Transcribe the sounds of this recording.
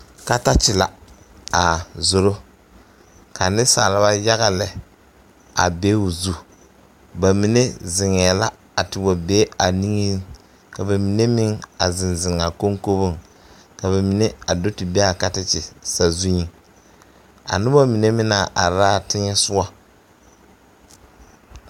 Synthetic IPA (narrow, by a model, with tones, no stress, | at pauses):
ka˦ta˦t͡ʃɪ˨la̰˨ | a˨zo˨ɾo˦ | ka˨nɪ˦sa̰˨lɪ˨˦ba˦ja˦ɣa˨lɛ˨ | a̰˨be˦u˨zu˦ | ba˨mi˨ne˦zɪ˨ŋɛ˨la˦ | a˨tɪ˨ba˨be˦a˨ni˦ŋi˦ | ka˨ba˨mi˨ne˦mɪ˦ŋa˨zɪ˨nzɪ˨ŋa˨ko˦ŋko˦bo˦ŋ | ka˨βa˨mi˨ne˦a˨do˦tɪ˨be˦a˨ka˦tɪ˦t͡ʃɪ˨sa˨zu˦ɲi˦ | a̰˨nʊ˦ba˦mi˨ne˦mɪ˦na˨ʔa˨ɾaː˦tɪ˦ŋɛ˦sʊ˦a˦